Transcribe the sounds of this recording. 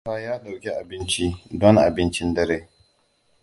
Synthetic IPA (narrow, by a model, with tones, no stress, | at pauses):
aː˦jaː˦dɐ˨ɾɡʲi˦ʔa˨bɪ˦nt͡ʃi˦dɔ˦ŋʔa̰˨bɪ˦nt͡ʃɪ˦ndɐ˦ɾeː˦